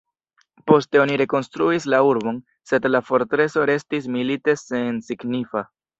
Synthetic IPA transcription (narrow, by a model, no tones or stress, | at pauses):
po̞ste̞o̞niɾe̞ko̞nstɾuislauɾbo̞n | se̞dlafo̞ɾtɾe̞so̞ɾe̞stis̬milite̞se̞nsiɡnifa